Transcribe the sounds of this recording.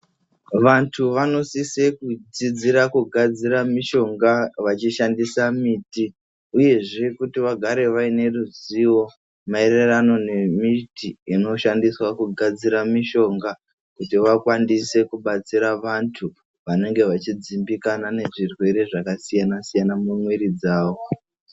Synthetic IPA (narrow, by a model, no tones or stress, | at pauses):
ʋantʰuʋano̞sisekud͡zid͡ziɾakuɡʱad͡ziɾamiʃo̞ŋɡaʋat͡ʃiʃandisamiːti | uje̞ʐe̞kutiʋaɡʱaɾe̞ʋaine̞ruziwo̞ | mae̞ɾe̞rano̞ne̞mitiino̞ʃandiswakuɡʱad͡ziɾamiʃo̞ŋɡa | kutiʋakwandise̞kuɓat͡siɾaʋantʰu | ʋane̞ŋɡe̞ʋat͡ʃid͡zimbikanane̞ʐirwe̞ɾe̞ʐakasijanasijanamumwe̞ɾid͡zaːwo̞